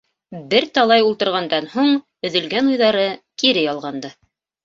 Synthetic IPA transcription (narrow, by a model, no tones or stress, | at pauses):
bɘɾt̪ɑlˠɑjulˠt̪ɤ̆ɾʁɑnd̪ɑnhuɴ | ɵ̆ðɵ̆lɡænujðɑɾɤkiɾɘjɑlˠʁɑnd̪ɤ